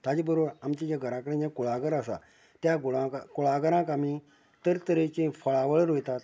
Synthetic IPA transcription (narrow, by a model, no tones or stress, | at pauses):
t̪ad͡ʑibəɾoamt͡ɕãd͡ʑaɡʱəɾãkəɾẽd͡ʑakuɭaɡəɾasa̰ | t̪jaɡoɭãkkuɭaɡəɾãkami | t̪əɾt̪əɾet͡ɕẽfəɭaʋəɭɾojt̪at̪